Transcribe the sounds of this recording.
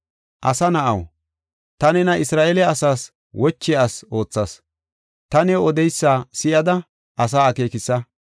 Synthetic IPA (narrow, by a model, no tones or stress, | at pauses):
ʔɐsɐnɐʔɐ̰w | t̪ɐnɛnɐʔɪsɾaːʔelɛɐsaːs | wɔt͡ʃːɛaːso̞ːt͡sːɐs | t̪ɐnɛɔd̪ɛjsːaːsɪʔɐd̪ɐ | ʔɐs̬aːɐke̞ːkɪsːɐ